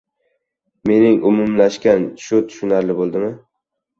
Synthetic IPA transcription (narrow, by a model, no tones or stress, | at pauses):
me̞nɪŋʊmʊmlaʃkʲanʃʊt̪ʰʊ̥ʃʊnaɾlɪbolˠd̪ɪmɪ